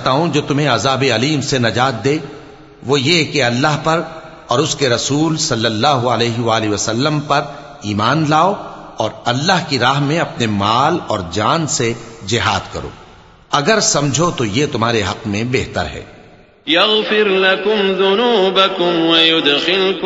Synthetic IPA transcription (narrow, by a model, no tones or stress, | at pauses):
t̪aːɦũd͡ʒoːt̪ʊmɦẽɐzaːbeɐliːmsenɐd͡ʒaːt̪̚d̪eː | ʋojekeɐlːaːɦpɐɾ | ɔːɾʊskeɾɐsuːlsɐlːɐlːaːɦʊɐlɛːɦɪʋaːliʋɐsɐlːəmpɐɾ | iːmaːnlaːoɔːɾɐlːaːɦkiɾaːɦmẽɐpnemaːlɔːɾd͡ʒaːnsed͡ʒɪɦaːd̪kɐ̰ɾo̰ː | ɐɡəɾsɐ̃md͡ʒʱot̪ojet̪ʊmɦaːɾeɦɐqmẽbeɦt̪ə̰ɾɦɛ̰ː | jɐɣfɪɾlɐkʊmðʊnuːbɐkʊmwɐjʊd̪xɪl